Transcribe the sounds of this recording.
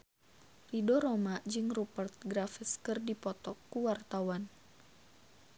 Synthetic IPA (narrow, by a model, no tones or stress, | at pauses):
ridɔɾɔmad͡ʒɨŋrupərt̪̚ɡɾafəskɨrdipɔt̪ɔkːuwart̪awan